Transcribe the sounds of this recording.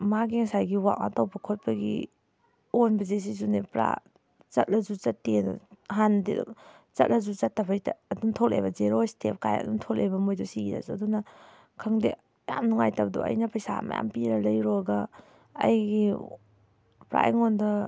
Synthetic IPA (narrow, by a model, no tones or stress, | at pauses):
maɡiŋsajɡiwa̰ʔʔa̰tɐwbɐkʰot̚pʰɐɡḭ | onbɐzes̬izunepɾa̰ | t͡ʃɐt̚lɐzuzɐtːed̰ɦandḭd̰ | t͡ʃɐ̰t̚lɐzuzɐtːɐpʰajtaɐduntʰolʔḛjbɐzeɾostʰep̚kajɐ̰duntʰolʔebɐmojdɔsiida̰zuɐ̰dunɐ | kʰɐŋdḛ | ja̰mnuŋajtabdɔ̰ɐ̰jnɐpɐjsa̰mɐ̰ja̰mpiɾɐlɐjɾɔɡɐ | ɐ̰jɡi | pɾa̰ʔḭŋondɐ